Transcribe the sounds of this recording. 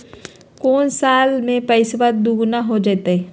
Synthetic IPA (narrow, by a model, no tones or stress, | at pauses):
koːnsaːlmẽpəɪsʋət̪̚d̪uːɡnaɦod͡ʒaːt̪eɦɛ